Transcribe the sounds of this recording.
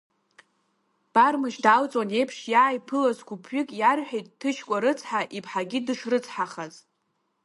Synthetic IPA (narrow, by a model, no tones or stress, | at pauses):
b̥armɨʃdalt͡sʼone̞jpʰʂjajpʰɨlazɡʷupʰɥɪkʼjarħʷᶣejtʼtʰːɨʃkʷʼaɾɨt͡sʰħaʔipʰħaɡʲidɨʂrɨt͡sʰħaχaz